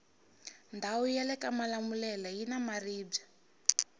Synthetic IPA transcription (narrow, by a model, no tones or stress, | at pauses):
ndʱawujɛlɛkamalamulɛlajinamariːbb͡ʐa